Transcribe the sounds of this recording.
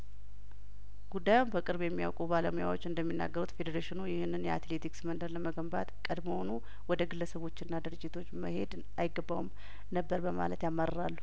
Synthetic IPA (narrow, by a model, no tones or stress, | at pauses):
ɡ̥ud̪ːajumbəkʼɨɾbjɛmːija̰wkʼubaləmuja̰wo̞t͡ʃːɨnd̪əmːinːa̰ɡːəɾut̪fe̞d̪əɾaʃɪnujɪhɨnːɨnjɛat̪le̞t̪ʰiksmənd̪əɾləməɡəmbat̪kʼəd̪mohonu | wɔd̪əɡɨlːəsəβo̞t͡ʃːɪnːad̪ɨɾɨd͡ʒːɪt̪ʰo̞t͡ʃːmə̰he̞d̪ | ajɪɡəbːawum | nəbːəɾbəma̰lət̪jamːaɾəɾalːu